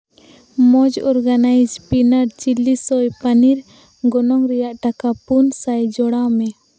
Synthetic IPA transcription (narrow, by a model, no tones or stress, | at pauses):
mɔd͡ʒɔɾɡanajd͡ʒpinaɾt͡ʃilːisɔjpaniɾ | ɡɔnɔŋɾɛjaʔʈakapunsajd͡ʒɔɽamɛ